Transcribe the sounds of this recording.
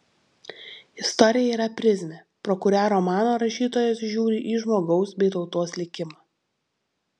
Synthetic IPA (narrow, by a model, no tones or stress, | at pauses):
ɪst̪ɔɾʲɪjɛiːɾɐpʲɾʲɪzʲmʲeː | pɾɔkʊɾʲæːɾoːmɑːnoːɾɐʃʲiːt̪oːjɛsʒʲuːɾʲiʔiːʒmoːɡɒʊsbʲɛɪt̪ɒʊt̪oːslʲɪkʲɪmɑː